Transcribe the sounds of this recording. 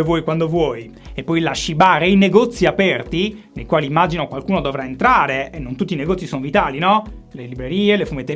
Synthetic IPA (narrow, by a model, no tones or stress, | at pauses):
evwɔjkwand̪ovwɔj | epːɔjlaʃːibaːɾeineɡɔt̪sːiapɛrt̪inejkwaːliːmːad͡ʒinokwalkuːnod̪ovɾaent̪ɾaːɾeenːont̪ut̪ːineɡɔt̪sːisonovit̪aːlinɔ | lelibɾeɾiːelefumet̪ːe